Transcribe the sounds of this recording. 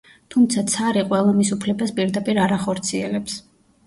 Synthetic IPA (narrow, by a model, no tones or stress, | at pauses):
t̪ʰumt̪sʰat̪sʰaɾiqʼwɛlˠɔmisupʰlɛbaspʼiɾd̪apʼiɾaɾaχɔɾt̪sʰiɛlɛps